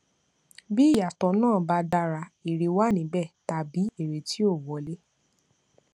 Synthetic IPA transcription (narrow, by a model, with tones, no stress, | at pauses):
bi˦i˦˨ja˨tɔ̃˨˦nãː˦˨ba˧da˧ɾa˧i˨ɾi˨˧wa˦˨nĩ˨˦bɛ˦˨ta˨bi˨˦e˦˨ɾe˨ti˦o˦˨wɔ˨˦le˦